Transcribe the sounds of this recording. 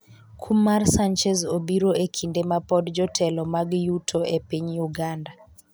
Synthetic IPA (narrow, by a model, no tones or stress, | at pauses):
kʰumarsant͡ʃɛzobiɾoekʰindemapɔdd͡ʒɔtʰɛlɔmaɡjutʰoʔepiɲjuɡanda